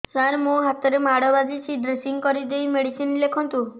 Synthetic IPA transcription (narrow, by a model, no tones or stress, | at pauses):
saɾmoɦat̪ɔɾemaɽɔbad͡ʒit͡ʃʰid̪ɾesiŋkɔɾid̪ejmeɽisinlekʰɔnt̪u